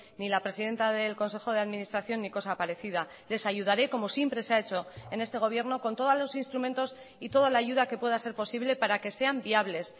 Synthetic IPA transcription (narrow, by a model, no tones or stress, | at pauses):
nilapɾe̞siðe̞nt̪aðe̞lko̞nse̞xo̞ð̞eaðminist̪ɾaθjo̞nːiko̞sapaɾe̞θið̞a | le̞saʝuð̞aɾe̞ko̞mo̞sjempɾe̞seae̞t͡ʃo̞e̞ne̞st̪e̞ɣ̞o̞β̞je̞ɾno̞ko̞nt̪o̞ð̞azlo̞sinst̪ɾumẽ̞nt̪o̞s | it̪o̞ðalaːʝuðake̞pwe̞ð̞ase̞ɾpo̞siβle̞paɾake̞se̞ambiaβle̞s